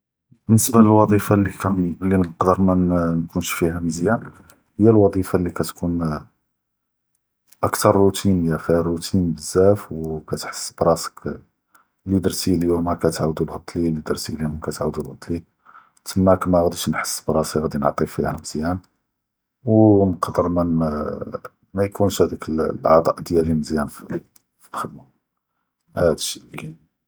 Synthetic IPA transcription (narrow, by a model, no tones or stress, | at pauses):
bənːəsbæləlwɑd̪ˤifalːiklːinəqd̪əɾˤmænkunʃfihæməzjæn | həjːælwɑd̪ˤifalːikæt̪kun | ʔəkt̪ɑɾˤːut̪ʰinəjːæfirːut̪ʰinbəzːæfwkæt̪ħə̥sːbɾˤɑsə̥k | lid̪ɑɾˤsiliumækæt̪ʕawd̪ulhɑt̪ˤlilid̪ɑɾˤsiliʊmkæt̪ʕawd̪ulɣɑt̪ˤli | t̪ʰəmːækmæɣæd̪iʃnħə̥sːbɾˤɑsiɣæd̪inʕt̪ˤifihæməz̥jæn | wnqɑd̪əɾmæn | mæjkʰunʃhæd̪ækəllʕɑ̰d̪ˤɑʔd̪jæliməzjænf | filxəd̪ma | hæd̪əʃil